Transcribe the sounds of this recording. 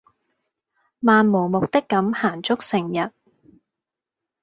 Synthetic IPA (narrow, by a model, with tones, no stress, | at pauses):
maː˨˧nmo˨˩wmʊ˨k̚t̪ɪ˥kːɐ˨˥mhaː˨˩nt͡sʊ˥k̚sɪ˨˩ŋjɐ˨˩t̚